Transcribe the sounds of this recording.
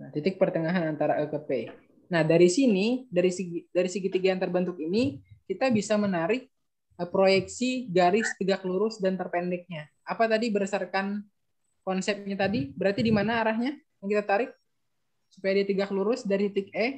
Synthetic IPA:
nat̪it̪ɪk̚pərt̪əŋaɦanant̪aɾaʔəkəpe | nahdaɾisinidaɾisɡdaɾisəɡit̪iɡajaŋt̪ərbənt̪ʊkinikit̪abisamənaɾɪk̚ | pɾojɛksiɡaɾɪst̪əɡak̚luɾʊsdant̪ərpɛndɛk̚ɲa | apat̪adibəɾəsarkan | kɔnsɛp̚ɲat̪adibəɾart̪idimanaːɾaɦɲajaŋkit̪at̪aɾɪk̚ | supajadiat̪əɡak̚luɾʊsdaɾit̪it̪ɪkɛ

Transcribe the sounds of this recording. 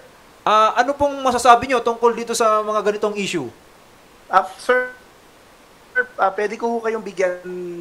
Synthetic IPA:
ʔaːʔɐnopʊŋmɐsɐsaːbɪɲo̞t̪ʊŋkold̪iːt̪o̞sɐmɐŋaɡɐnɪt̪o̞ŋʔiːʃu | ʔasɛ | ɛɹʔapwɛːd̪ɪkohukɐjoŋbɪɡjan

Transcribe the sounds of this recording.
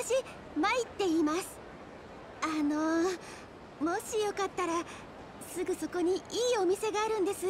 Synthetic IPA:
t̪aɕi | mait̪ːe̞imasɨ̥ | ano̞ | mo̞ɕijo̞kat̪ːaɾa | sɨɡɯ̟so̞ko̞ɲ̟iiːo̞mʲise̞ɡaːɾɯ̟̃nd̪e̞sɨ

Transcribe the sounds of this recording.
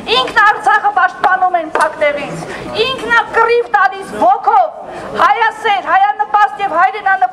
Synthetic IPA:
iŋkʰnɑɾt͡sʰɑχəpɑʃt̪̚pɑnumɛnpʰɑknɛvit͡sʰ | iŋkʰnɑkərivt̪ɑlisvɔkʰɔv | hɑjɑsɛɾhɑjɑnəpɑst̪jɛvhɑjɾɛnɑnə

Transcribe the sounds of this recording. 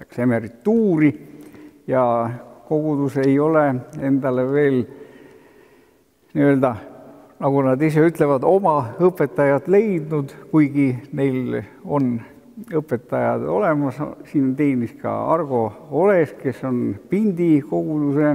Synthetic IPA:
eksemeɾit̪ːuːɾi | jɑko̞ɡ̥ud̪use̞jo̞lee̞nd̪ɑleve̞ːl | niø̞ld̪̥ɑ | nɑɡ̥unɑd̪is̬e̞yt̪ˑlevɑd̪o̞mɑɤpːˑe̞t̪ːˑɑjɑd̪le̞jd̪nud̪̥kujɡ̥ine̞jlo̞n | ɤpːˑet̪ːˑɑjɑd̪̥o̞̰le̞mɑssiːnt̪e̞ːniskɑ̰ɑ̰rɡ̥o̞o̞le̞ske̞so̞npind̪iko̞ɡ̥ud̪use̞

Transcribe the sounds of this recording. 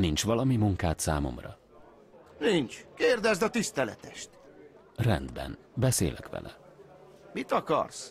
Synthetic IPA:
nint͡ʃʋɒlɒmimuŋkaːt̪saːmo̰mrɒ | nint͡ʃkeːrd̪ɛzd̪ɒt̪ist̪ɛlɛ̰t̪ɛʃt̪ | rɛnd̪bɛ̰n | bɛseːlɛkʋɛ̰lʔɛ | mit̪ɒkɒ̰rs

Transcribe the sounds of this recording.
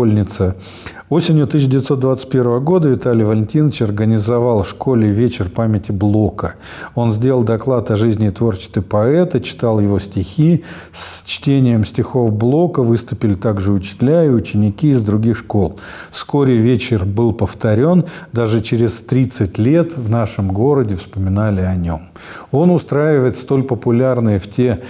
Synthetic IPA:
olʲnʲɪt̪sə | o̞sʲɪnʲjʊt̪ɨs̬ɕ̬ːədʲɪvʲɪt̪sod̪vat̪sə̥t̪̚ʲpʲe̞ɾvəvəɡo̞d̪əvʲɪt̪alʲɪjvəlʲɪnʲtʲinət͡ɕɐrɡənʲɪzɐvɑlˠfʂko̞lʲɪvʲet͡ɕɪrpamʲɪtʲɪblˠokə | o̞nzʲdʲelʲˠlˠd̪ɐklˠat̪ɐʐɨzʲnʲɪt̪vo̞rt͡ɕɪ̥st̪ɪpɐɛt̪ət͡ɕɪ̥t̪alˠjɪvo̞sʲtʲɪxʲi | st͡ɕtʲenʲɪjəmsʲtʲɪxo̞vblˠo̞kəvɨst̪ʊpʲɪlʲɪt̪aɡʐɨʊt͡ɕɪ̥t̪ʲlʲæɪʊt͡ɕɪnʲɪkʲiɪzd̪ɾʊɡʲixʂko̞lˠ | fsko̞ɾʲɪvʲet͡ɕɪrbɨlˠpəft̪ɐɾʲo̞nd̪aʐɨt͡ɕɪɾʲɪst̪ɾʲit̪sɨtʲlʲe̞t̪vnaʂɨmɡo̞ɾədʲɪfspəmʲɪnalʲɪɐnʲom | o̞nʊst̪ɾajɪvəjɪt̪st̪o̞lʲpəpʊlʲarnɨjəftʲe

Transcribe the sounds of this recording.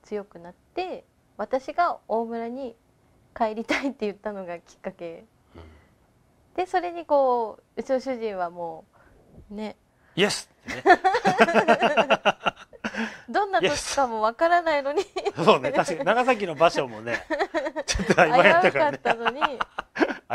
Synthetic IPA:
t͡sɨjo̞kɯ̟nat̪ːe̞ | βat̪aɕiɡao̞ːmɯ̟ɾaɲ̟i | kaeɾʲit̪ait̪ːe̞jɯ̟t̪ːano̞ɡakʲi̥kːake̞ | d̪̥e̞so̞ɾe̞ɲ̟iko̞ː | ɯ̟t͡ɕioɕɨʑĩɰ̃βamo̞ː | ne̞ | jesɨ̥t̪ːee | d̪õ̞nːaokʲi̥kamo̞βakaɾanaino̞ɲisoːnet̪aɕkanaɡasak̬ʲino̞baɕo̞mone̞t͡ɕot̪ːoaimaaaːakaaːno̞ɲ̟i

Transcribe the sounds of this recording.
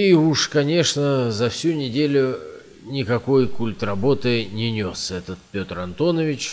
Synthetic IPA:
iuʂkɐnʲeʂnəzɐfsʲunʲɪdʲelʲʊ | nʲɪkɐko̞jkulʲt̪rɐbo̞t̪ɨnʲɪnʲo̞sɛt̪ət̪̚pʲo̞t̪rɐnt̪o̞nəvʲɪt͡ɕ

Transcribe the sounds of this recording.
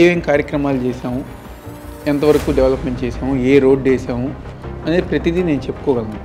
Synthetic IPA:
ʋɐɐŋkaːɾjɐkɾɐmaːlut͡ʃɛːʃaːmu | ɛnt̪ɐʋɐɾɐkuːɖɛʋlɐpmeɳʈt͡ʃɛːʃaːmueːɾo̞ːɖt͡ʃɛːʃaːmuɐnepɾɐt̪id̪ine̞ːnut͡ʃe̞pːu̥kɔːɡɐlna

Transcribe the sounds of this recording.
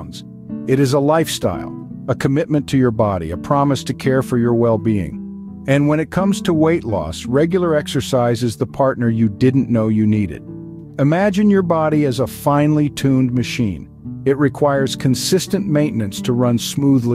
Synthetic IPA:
nz̥ | ɨɾɨzəlaɪfsta̰ɪlˠəkʰɨmɪt̚mɨ̃ntʰɨjə˞bɑɾḭɨpʰɹ̥ɑmɨstʰɨkʰɛɹfə˞jə˞wɛlˠbiɪ̰̃ŋ | ɨ̃nwə̃ñɨt̚kʰʌ̃mz̥tʰəweɪʔˡlɔ̰sɹɛɡjl̩ˠə˞ɛksə˞saɪzɨzðəpʰɑɹtⁿnə˞jɨdɪdⁿn̩noʊjɨniɾɨ̰ɾ | ɨmæd͡ʒɨ̃njə˞bɑɾiɨzəfãɪ̃nlitʰʉ̃ndmɨʃḭ̃n | ɨt̚ɹɨkʰw̥aɪə˞z̥kʰɨ̃nsɪstɨ̃nmẽɪ̃nnːɨ̃nstʰəɹʌ̃nsmuðli

